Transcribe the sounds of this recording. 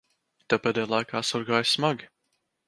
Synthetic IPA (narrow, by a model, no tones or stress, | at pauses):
t̪apɛd̪ʲɛjlˠajkaːsɔɾɡaːjsmaɡʲi